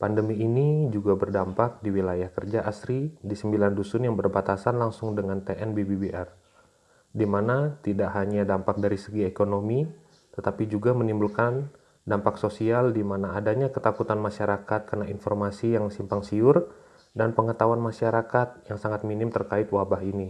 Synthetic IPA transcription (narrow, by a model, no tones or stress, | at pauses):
pandəmiːnid͡ʒuɡabərdampak̚diwilajahkərd͡ʒaʔasɾidisəmbilandusʊnjaŋbərbat̪asanlaŋsʊŋdəŋant̪eʔɛnbibibiʔɛr | dimanat̪idaʔɦaɲadampak̚daɾisəɡiekonomi | t̪ət̪apid͡ʒuɡamənimbulkan | dampaksosialdimanaːdaɲakət̪akut̪anmaʃaɾakat̪̚karnainfɔrmasijaŋsimpaŋsiʊr | danpəŋət̪awanmaʃaɾakat̪̚jaŋsaŋat̪̚minɪmt̪ərkaɪt̪̚wabaɦini